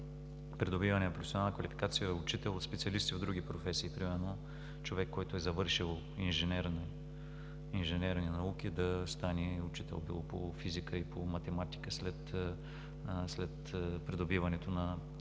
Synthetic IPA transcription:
pɾɛd̪obivɐnɛnɐpɾofɛsionalˠnəkvɐlifi̥kat̪sijəʊt͡ʃit̪ɛlˠot̪spɛt̪siɐlist̪ivd̪ɾuɡ̟ipɾofɛsiːpɾimɛɾno | t͡ʃovɛkːɔjt̪ʊɛzɐvɤɾʃilˠ | inʒɛnɛɾn | inʒɛnɛɾninɐuk̟id̪ɐst̪aniʊt͡ʃi̥t̪ɛ̰lˠbḭlˠopo̰fizikəipomɐt̪ɛmat̪i̥kəslɛt̪ | slɛt̪pɾɛd̪obivɐnɛt̪onɐ

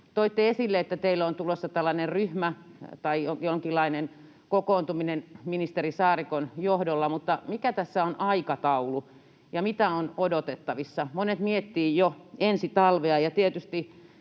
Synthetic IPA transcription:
t̪oit̪ːeesilːeet̪ːæt̪eilːont̪ulosːɑt̪ælːɑnerryhmæt̪ɑijojoŋkilːˑɑinen | kokoːnt̪uminenminist̪erisɑːrikonjohdolːɑmut̪ːɑmikæt̪æsːæonʔɑikɑt̪ɑulu | jɑmit̪æonodot̪et̪ːɑʋisːɑmonet̪miet̪ːiːjjoensit̪ɑlʋeɑjɑt̪iet̪yst̪i

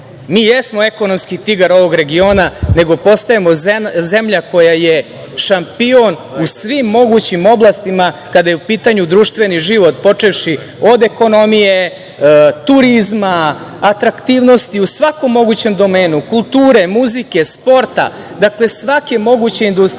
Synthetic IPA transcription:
miːjesmoeko̞nomskit̪iɡaɾo̞ʋo̞ɡɾe̞ɡio̞ːnane̞ɡo̞po̞st̪aemo̞ze̞mʎako̞jaje | ʃampionusʋimːo̞ɡut͡ɕimo̞blˠast̪imakad̪aje̞upiːt̪aɲud̪ɾuːʃt̪ʋe̞niʒiʋo̞t̪̚po̞t͡ʂe̞ʋʃi | o̞d̪e̞ko̞no̞mije | t̪uɾizmaːt̪ɾakt̪iːʋno̞st̪iusʋako̞mːo̞ɡut͡ɕe̞md̪o̞me̞ːnukulˠt̪uːɾe̞muzike̞spo̞ɾt̪a̰ | d̪akle̞sʋakemo̞ɡut͡ɕeind̪ust̪

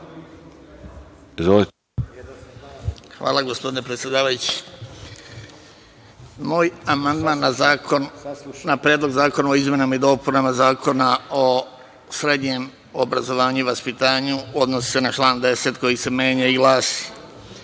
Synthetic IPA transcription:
izʋoli | xʋa̰ːlˠaɡospo̞d̪ine̞pɾet̪sʲje̞d̪aːʋajut͡ɕi̥ | moːjamand̪maːnːa | napɾjed̪lˠo̞ɡzaːko̞naoizmʲje̞namaid̪o̞ːpunamazaːko̞nao | sɾe̞d̪ɲe̞m | o̞bɾazo̞ʋaːɲuiʋaspit̪aːɲuo̞d̪nosi̥se̞nat͡ʃlˠaːnd̪e̞se̞t̪ko̞jise̞me̞ːɲaiɡlˠaːsi̥

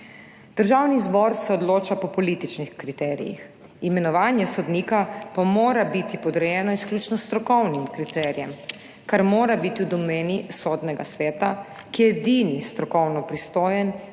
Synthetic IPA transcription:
d̪̥əɾʒawnizbɔɾsɛɔd̪loːt͡ʃapɔpɔlit̪it͡ʃnixkɾit̪ɛːɾḭjḭx | imɛnɔʋaːnjɛsɔd̪niːkapamoːɾabit̪ipɔd̪ɾɛjɛːnɔiskljuːt͡ʃnɔst̪ɾɔkɔwnimkɾit̪ɛːɾijɛm | kaɾmoːɾabit̪iwd̪ɔmeːnisɔːd̪nɛɡa̰sʋɛːt̪a | kiɛɛɛd̪inist̪ɾɔkɔwnɔpɾist̪oːjɛn

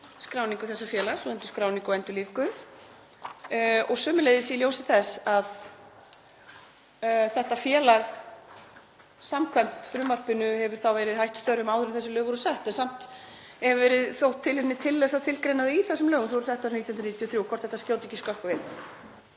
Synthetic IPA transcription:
skɾawniŋkʏθɛsːafjɛːlaɾ̥sɔɛnt̪ʏ̥skɾaːwniŋkɔɛnt̪ʏliːvkʏn | ɔɣsʏːmʏlejðɪsiljowsɪθɛsað | θɛht̪afjɛːlaɾ | samkʰɛm̥t̪fɾʏmar̥pɪnʏhɛvʏɾ̥θawvɛːɾɪðhajht̪st̪œɾʏmawðʏɾʏɪvθɛsɪlœːɣɔɾʏsɛht̪ɛnsam̥t̪ | ɛɾvɛːɾɪðθowht̪ʰːɪlhɪmnɪt̪ʰɪlːɛsat̪ʰɪlkɾejnaðɪiθɛsːʏmlœːɣʏms̬ɔvɔɾʏsɛht̪ːawɾnit̪jɔnɾniːt̪ʰjɔθɾjuwkʰvɔrt̪θɛht̪askcjoːwt̪icːiskœhkavɪn

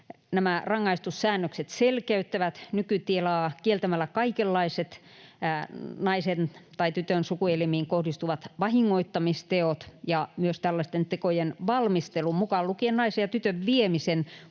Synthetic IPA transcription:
næmærɑŋːɑist̪ussæːnːøkset̪selkeyt̪ːæʋæt̪nykyt̪ielɑːkielt̪æmælːˑækɑikelːɑiset̪ː | nɑisent̪ɑit̪yt̪ønsukuelmiːŋkohdist̪uʋɑt̪ʋɑhiŋːoit̪ːɑmist̪eot̪jɑmyøst̪ælːæst̪ent̪ekojenʋɑlmist̪elumukɑllukiennɑisejɑt̪yt̪øʋʋiemisen

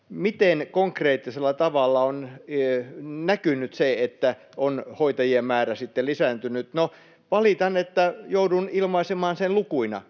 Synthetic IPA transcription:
mit̪enkoŋkreːt̪ːiselːɑt̪ɑʋɑlːɑon | nækynyt̪seet̪ːæ | onhoit̪ɑjiemmæːræsit̪ːelisænt̪ynyt̪no | ʋɑlit̪ɑnet̪ːæjoudunilmɑisemɑːnsenlukuinɑ̰

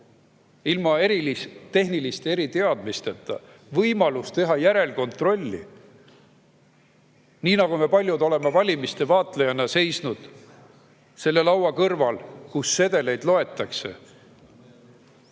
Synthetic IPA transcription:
ilmɑe̞ɾilist̪e̞ɦnilist̪ee̞ɾit̪e̞ɑd̪̥mist̪et̪ːˑɑ̰ | vɤjmɑlust̪e̞ɦɑjæɾe̞lko̞nt̪ro̞lʲːḭ | niːnɑɡ̥ume̞pɑlʲjud̪o̞le̞mevɑlʲimist̪e̞vɑːt̪ˑlejɑnːɑse̞jsnud̪̥ | se̞lːe̞lɑwɑkɤrvɑlkusːe̞d̪e̞le̞jd̪̥lo̞e̞t̪ːˑɑkse̞̰

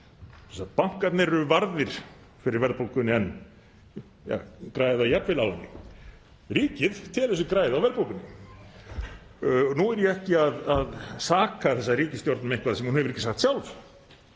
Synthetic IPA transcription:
sɛsat̪paŋ̥kat̪nɛrʏvaɾðɪɾ̥ | fɪɾɪɾvɛɾðpolkʏnɪɛn | ja̰kɾaːjɪðawjɛp̪vɪlawlanːɪ̰ | riːcɪðt̪ʰɪlɛs̬ʏkɾaːjɪðawvɛɾpolkʏnɪ | nuɛɾjɛɛhcɪaðaðsaːkaθɛsːariːcɪst̪jowɾt̪namẽjŋkvaðasɛmhunhɛvɪɾɪhcɪsaxkt̪sjawlf

